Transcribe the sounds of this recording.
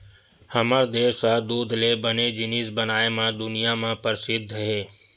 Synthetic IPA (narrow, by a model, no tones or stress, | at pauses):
həməɾd̪eːsad̪uːd̪ʱleːbəned͡ʒɪniːzbənaːemãːd̪ʊnɪjamãːpəɾsɪd̪ʱɦeː